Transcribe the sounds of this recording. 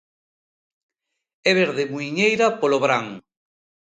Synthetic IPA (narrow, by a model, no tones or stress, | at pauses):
ɛβeɾðemuiɲejɾapoloβɾaŋ